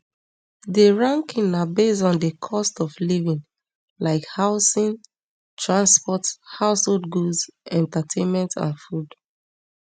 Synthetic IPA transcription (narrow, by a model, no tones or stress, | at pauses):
dəɹãŋkĩnabesɔ̃ndəkʰɔstɔflivĩn | laɪkhaʊsĩn | tʰɹãnspɔthaʊsholdɡuzɛ̃ntatʰẽnmɛ̃ntã̰nfud̥